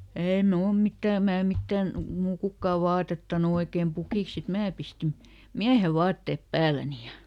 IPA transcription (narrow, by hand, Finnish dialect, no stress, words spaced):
eˑi mnuːl mitːæˑ mæː mitːæn muː kukːɑˑʋ ʋɑːtetːɑnu oikeːm pukiˑks sit mæː pistin miæhe ʋɑːtːeˑp pæːlæni jɑ